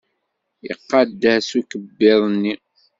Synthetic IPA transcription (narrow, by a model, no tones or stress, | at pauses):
ḭqːɑd̪ːæsukəbːɪðˤnːi